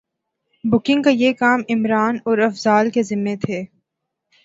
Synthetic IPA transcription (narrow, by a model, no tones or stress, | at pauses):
bʊkɪ̃ŋɡkajeːkaːmɪmɾaːnɔːɾɐfzaːlkezɪmːet̪ʰeː